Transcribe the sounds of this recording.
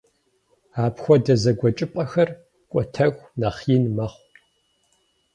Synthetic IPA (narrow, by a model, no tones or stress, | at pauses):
aːpxʷɔdɐzɐɡʷɔt͡ʃʼɪpʼɐxɐr | kʷʼɔtʰɐɣʷnɐχiːnmɐχʷ